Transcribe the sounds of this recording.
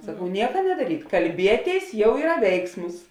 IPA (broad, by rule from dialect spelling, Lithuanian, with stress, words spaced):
sɐˈkɐʊ ˈnʲiɛkɐ nʲɛdɐˈrʲiːt kɐlʲˈbʲiɛˌtʲeːɪs ˈjɛʊ ˈiːrɐ ˈʋʲɛɪksmʊs